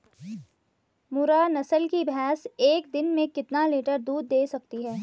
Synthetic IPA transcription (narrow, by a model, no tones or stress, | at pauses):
mʊɾaːnɐsəlkibɦɛːseːkd̪ɪnmẽkɪt̪naleːʈəɾd̪uːd̪ːeːsɐk̚t̪iɦɛː